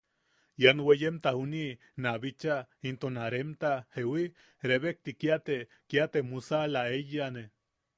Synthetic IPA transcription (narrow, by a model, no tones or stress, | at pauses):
janwejemt̪ahuni | naβit͡ʃaint̪onaɾemt̪ahewi | ɾeβek̚t̪ikiat̪e | kjat̪emusalaejane